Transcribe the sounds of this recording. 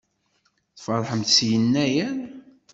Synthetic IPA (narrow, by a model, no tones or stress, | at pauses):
θfɑðˤħəmθsjənːæjæn